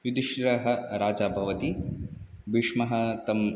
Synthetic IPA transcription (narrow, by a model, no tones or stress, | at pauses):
ʋid̪iʃɾɐɦɐ̆ɾaːd͡ʒaːbʱɐʋɐt̪i | biʂmɐɦɐ̆t̪ɐm